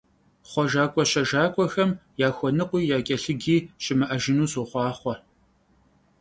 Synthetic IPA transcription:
χʷɔʒaːkʷʼɔɕɐʒaːkʷʼɔxɐmjaːxʷɔnɨqʷiːjaːkʲʼɐɬɨɡiːɕɪmɨʔɐʒɪnuːsuːχʷɑːχʷɔ

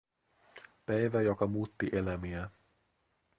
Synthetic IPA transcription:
pæjʋæjokɑmuːt̪ːiʔelæmiæ

